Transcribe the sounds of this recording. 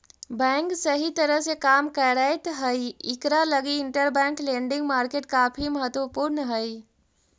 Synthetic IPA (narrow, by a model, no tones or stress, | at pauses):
bɛ̃ːŋksəɦit̪əɾəɦsekaːmkəɾaɪt̪ɦəiɪkɾaləɡiɪɳʈəɾbɛ̃ːŋklẽːɳɖɪ̃ŋɡmaːɾkeːʈkaːpʰiməɦət̪wəpuːɾnəɦəi